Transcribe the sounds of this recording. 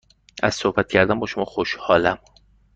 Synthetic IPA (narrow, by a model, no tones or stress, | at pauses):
æz̥sohbæt̪̚cʰæɾd̪æmbɒːʃomɒːxoʃhɒːlæm